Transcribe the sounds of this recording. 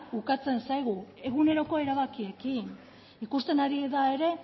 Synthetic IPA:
ukat͡se̞nsajɣ̞ue̞ɣune̞ɾo̞ko̞e̞ɾaβakie̞kin | ikust̪e̞naɾieðae̞ɾe̞

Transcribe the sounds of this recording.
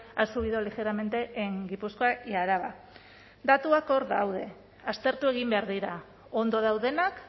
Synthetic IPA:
asuβiðo̞lixe̞ɾame̞nt̪e̞ʔeŋɡipusko̞ajaɾaβa | d̪at̪uako̞ɾðawð̞e̞ | ast̪e̞ɾt̪ue̞ɣ̞imbe̞aɾðiɾa | o̞nd̪o̞ð̞awðe̞nak

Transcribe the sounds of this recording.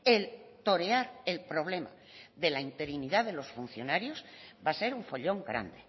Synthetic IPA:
elt̪o̞ɾe̞aɾelpɾo̞β̞le̞ma̰ | ðe̞laint̪e̞ɾiniðaðe̞lo̞sfun̟θjo̞naɾjo̞sbase̞ɾuɱfo̞ʎo̞ŋɡɾa̰nd̪e

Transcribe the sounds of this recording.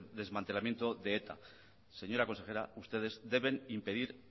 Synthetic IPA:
ðe̞zmãnt̪e̞lamje̞nt̪oðeet̪a̰ | se̞ɲo̞ɾako̞nse̞xe̞ɾa̰ust̪e̞ð̞e̞zd̪e̞βe̞nimpe̞ðiɾ

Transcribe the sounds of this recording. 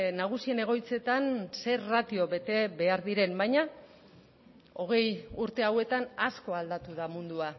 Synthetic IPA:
naɣ̞usie̞ne̞ɣ̞o̞jt͡se̞t̪anse̞rat̪io̞βe̞t̪e̞βe̞aɾðiɾe̞mbajɲa | o̞ɣ̞e̞juɾt̪e̞awe̞t̪anasko̞ald̪at̪uðamund̪ua

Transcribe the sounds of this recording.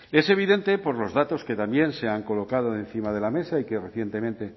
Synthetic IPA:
e̞se̞β̞iðe̞nt̪epo̞ɾlo̞zðat̪o̞ske̞t̪ambje̞nse̞aŋko̞lo̞kað̞oen̟θimað̞e̞lame̞saikereθje̞nt̪e̞mẽnt̪e̞

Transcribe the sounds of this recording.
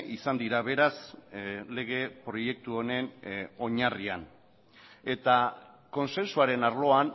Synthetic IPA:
ʔisand̪iɾaβe̞ɾas | le̞ɣ̞e̞pɾo̞je̞k̚t̪uone̞no̞ɲarian | e̞t̪a | ko̞nse̞nsuaɾe̞naɾlo̞an

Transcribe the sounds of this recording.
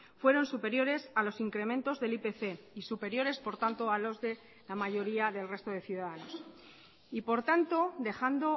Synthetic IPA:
fwe̞ɾo̞nsupe̞ɾjo̞ɾe̞salo̞siŋkɾe̞mẽnt̪o̞zðe̞lipe̞θe̞isupe̞ɾjo̞ɾe̞spo̞ɾt̪ant̪oalo̞zðe̞ | lamaʝo̞ɾiaðe̞lre̞st̪o̞ð̞e̞θjuðaðano̞s | ipo̞ɾt̪ant̪o̞d̪e̞xand̪o̞

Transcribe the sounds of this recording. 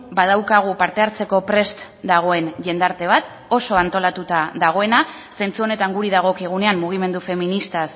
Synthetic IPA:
bað̞awkaɣ̞upaɾt̪e̞aɾt͡se̞ko̞pɾe̞st̪ | d̪aɣ̞o̞e̞nʝe̞nd̪aɾt̪e̞β̞at̪ | o̞so̞ant̪o̞lat̪ut̪aðaɣ̞o̞e̞na | se̞nt͡suo̞ne̞t̪aŋɡuɾiðaɣ̞o̞kiɣ̞une̞amːuɣ̞ime̞nd̪ufe̞minist̪as

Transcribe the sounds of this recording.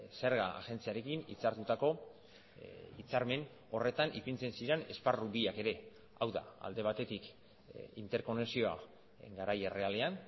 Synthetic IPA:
se̞ɾɣaa̰ʝe̞nt͡siaɾe̞kinḭt͡saɾt̪ut̪ako̞ | it͡saɾme̞n | o̞re̞t̪anʔipint͡se̞nsiɾe̞ne̞sparubiake̞ɾe̞ | awða̰a̰ld̪e̞β̞at̪e̞t̪ik | int̪e̞ɾko̞neksio̞a̰ | ŋɡaɾajere̞ale̞an

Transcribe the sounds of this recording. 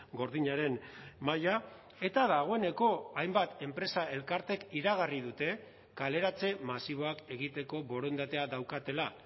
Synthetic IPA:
ɡo̞ɾðiɲaɾe̞nmaja | e̞t̪aðaɣ̞o̞e̞ne̞ko̞ajmbat̪e̞mpɾe̞sae̞lkaɾt̪e̞kiɾaɣ̞ariðut̪e̞ | kale̞ɾat͡se̞masiβ̞o̞ake̞ɣ̞it̪e̞ko̞βo̞ɾo̞nd̪at̪e̞aðawkat̪e̞la

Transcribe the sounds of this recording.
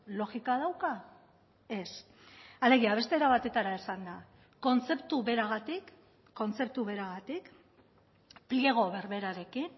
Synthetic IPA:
lo̞ɣikað̞awka | e̞s | ale̞ɣ̞iaβ̞e̞st̪e̞ɾaβat̪e̞t̪aɾaesand̪a | ko̞nt͡se̞pt̪uβe̞ɾaɣ̞at̪ikː | o̞nt͡se̞p̚t̪uβe̞ɾaɣ̞at̪ik | plieɣ̞o̞βe̞ɾβe̞ɾaɾe̞kin

